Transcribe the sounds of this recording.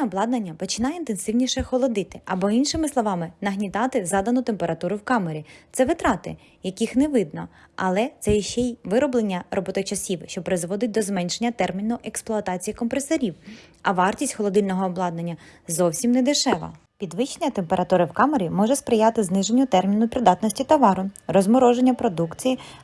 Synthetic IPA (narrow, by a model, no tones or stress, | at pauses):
ɛɔblˠɑd̪nɐnʲːɐpɔt͡ʃɪnɑjint̪ensɪwnʲiʃɛxɔlˠɔd̪ɪt̪ɪɐbɔinʃɪmɪslˠɔʋɑmɪnɐɦnʲit̪ɑt̪ɪzɑd̪ɐnʊt̪empeɾɐt̪uɾʊwkɑmeɾʲit̪sɛʋɪt̪ɾɑt̪ɪ | jɐkʲixnɛʋɪd̪̚nɔɐlˠɛt̪sɛjiʃt͡ʃɛʋɪɾɔblˠenʲːɐrʔɔbɔt̪ɔjt͡ʃɐsʲiwʃt͡ʃɔpɾɪzʋɔd̪ɪt̚ʲd̪ɔzmɛnʃenʲːɐt̪ɛrmʲinʊʔeksplˠɔɐt̪ɑt͡sʲijikɔmpɾesɐɾʲiwɐʋɑrtʲisʲtʲxɔlˠɔd̪ɪlʲnɔɦɔːblˠɑd̪̚nɐnʲːɐzɔwsʲimnɛd̪ɪʃɛʋɐ̰ | pʲid̪ʋɪt͡ʃːenʲɐt̪empeɾɐt̪uɾɪwkɑmeɾʲimɔʒɛspɾɪjɑt̪ɪznɪʒenʲːʊt̪ɛrmʲinʊpɾɪd̪ɑt̪nɔsʲtʲit̪ɐʋɑɾʊrɔzmɔɾɔʒenʲːɐpɾɔd̪ukt͡sʲiji